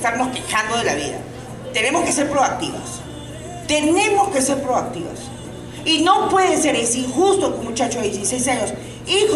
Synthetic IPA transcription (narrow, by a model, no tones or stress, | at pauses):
st̪aɾnoske̞xand̪o̞ðelaβḭða̰ | t̪e̞ne̞mo̞ske̞se̞ɾpɾoak̚t̪iβa̰s | t̪e̞nẽ̞mo̞ske̞se̞ɾpɾo̞ak̚t̪iβa̰s | ino̞pwe̞ðese̞ɾesiŋxust̪okomut͡ʃat͡ʃoðjesisejs̬aɲo̞s | ix